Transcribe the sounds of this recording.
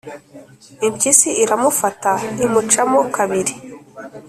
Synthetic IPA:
impcisiiɾamufataimut͡ʃamokaβiɾi

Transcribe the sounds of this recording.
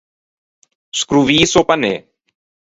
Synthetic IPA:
skɾuʋiːsopənḛː

